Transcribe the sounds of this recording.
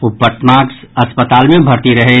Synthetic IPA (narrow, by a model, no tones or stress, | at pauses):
ʊpːəʈ̪maːksɐspət̪aːlmẽbʱɐɾt̪iɾɐɦe